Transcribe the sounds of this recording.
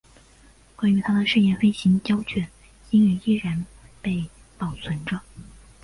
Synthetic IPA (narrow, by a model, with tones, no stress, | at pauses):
kwa˥ny˧˥t̪ʰa˥d̪ə˨ʂɻ̩˥˧jɛ˥˩nfe˥ɪɕi˧˥ŋt͡ɕjɑ˥ʊt͡ɕʰɥɛ˨˩˦n | i˥ny˧˥i˥˩ɻə˧˥npe˥˩ɪ | pɑ˨˩ʊt͡sʰwə˧˥nʈ͡ʂə˧